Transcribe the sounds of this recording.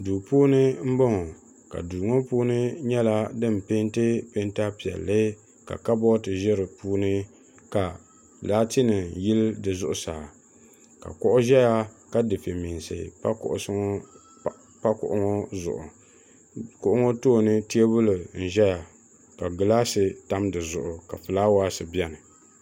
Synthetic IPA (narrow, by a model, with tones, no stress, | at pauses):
duː˨puː˦nɨ˦m̩˦bɔ˦ŋɔ˨ | ka̰˨du˨ŋo˦puː˦nɨ˦ɲɛ˦la˦dɨ˦m˨pɪ˦ntɨ˦pɪ˦nta˦pi˨ɛ̰˨lːɨ˦ | ka̰˨ka˦bɔ˦tɨ˨ʒɛ˦ɾɨ˨puː˦nɨ˦ | ka˨ | daː˦tɪ˦nɨ˨ji˦ldɨ˨zʊ˨ʔʊ˨sa˨ | ka̰˨kʊ˦ʔʊ˦ʒɛ˦ja˦ka˦dɨ˨fɨ˨mi˨n˨sɨ̰˨˦kʊ̰˦ʔʊ̰˨˦ | pa˦kʊ̰˨ʔʊ˦ŋo˦zʊ̰˨ʔʊ̰˨ | kʊ˨ʔʊ˦ŋo˦toː˦˨nɨ˦ti˦e˦bʊ˦lɨ˨n̩˨ʒɛ˦ja˨ | ka˨ɡɨ˨la˦sɨ˨ta˦mdɨ˨zʊ˨ʔʊ˨ka˨fɨ˨laː˦waː˦sɨ˨bi˦ɛ˦nɨ˨